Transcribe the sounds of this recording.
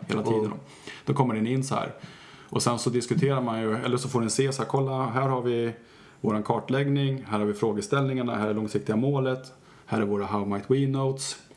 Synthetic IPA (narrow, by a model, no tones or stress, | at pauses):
hḛːlat̪ʰiːd̪ənɔ̰m | d̪̥ɔkʰɔmːəɖɛnɪnːsɔhæ̰ɾ | ʔɔsɛnsɔd̪ɪskɵt̪ʰeːɾaɾmanjɵɛlːəʂɔfoːɖɛnseːsakʰɔlːaɦæːɾhaɾvɪ | voːɾankʰɑːʈɭɛɡnɪŋhæːɾhaɾvɪfɾoːɡəst̪ɛlnɪŋaɳahæːɾɛlɔŋsɪk̚t̪ɪɡamoːlət̪ | hæːɾæɾvoːɾaɦaʊmaɪt̪ʰwiːnot̪s